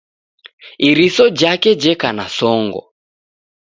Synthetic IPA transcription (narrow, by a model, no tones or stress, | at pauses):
iɾisɔd͡ʒakɛd͡ʒɛkanasɔŋɡɔ̰